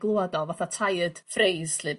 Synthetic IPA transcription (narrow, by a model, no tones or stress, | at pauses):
ɡlˠoadɔvaθatʰajəd̥frejsɬɨb